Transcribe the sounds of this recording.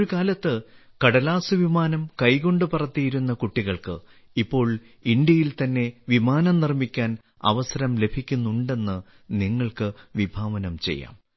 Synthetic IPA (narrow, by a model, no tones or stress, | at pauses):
ɾukaːlɐt̪ːɨ | kɐɽɐlaːsɨʋimaːnɐmkɐjko̞ɳɖɨpɐrɐt̪ːijiɾunːɐkuʈːiɣɐɭkɨ̰ | ipːo̞ːɭ | ind̪jɐjilt̪ɐnːe̞ʋimaːnɐmnirmikʲːaːn | ɐ̰ʋɐsɐɾɐmle̞bʱikʲːunːuɳɖe̞nːɨ | niŋːɐɭkɨʋibʱaːʋɐnɐmt͡ɕe̞̰jːa̰ːm